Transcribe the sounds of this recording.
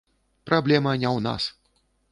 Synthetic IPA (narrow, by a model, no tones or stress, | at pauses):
pɾablʲɛmɐnʲɛwna̰s